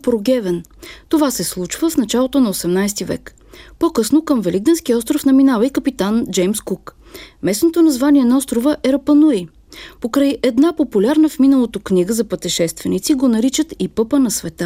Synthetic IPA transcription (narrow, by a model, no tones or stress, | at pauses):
pɾoɡʲɛvɛn | t̪ovasɛslˠut͡ʃvəfnɐt͡ʃalˠot̪onɐosɛmnajst̪ivɛ̰k | pokɤsnokəmvɛlʲiɡ̚d̪ɛnsk̟iɔst̪ɾofnɐminavəikəpit̪and͡ʒɛjmskuk | mɛsnot̪onɐzvaniɛnɐɔst̪ɾovəʔɛɾɐpənui | pokɾəjʔɛd̪napopulʲaɾnəfminəlˠot̪okniɡəzɐpət̪ɛʃɛst̪vɛnit̪siɡonɐɾit͡ʃət̪ipɤpənɐsvɛt̪a